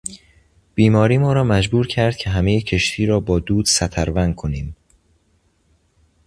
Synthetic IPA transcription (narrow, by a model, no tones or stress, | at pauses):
b̥iːmɒːɾiːmɒːɾɒːmæd͡ʒbuːɾcʰæɾd̪̥̚cʰe̞ɦæmejecʰe̞ʃt̪ʰiːɾɒːbɒːd̪uːd̪̥sæt̪ʰæɾvænd̪̚kʰoniːm